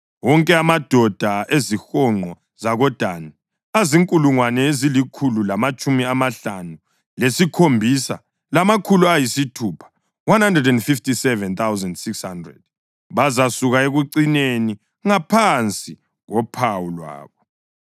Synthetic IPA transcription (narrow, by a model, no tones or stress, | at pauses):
wɔŋkʼɛamad̥ʱɔd̥ʱaʔezixɔŋ͡ǃʱɔ | zaɣɔd̥ʱana | aziŋkʼuluŋwanɛezilikʰululamat͡ʃʼumiamaɬanu | lesikʰombʱisa̰ | lamakʰuluajisitʰuːpʰḁ | wanhandrɛdɛndfiftisɛvɛnt̪awzandsikshandrɛ̰d̥̚ | βazasuɣaeɣuǃineni | ŋapʰant͡sʼi | ɣɔpʰawulwa̰ːβɔ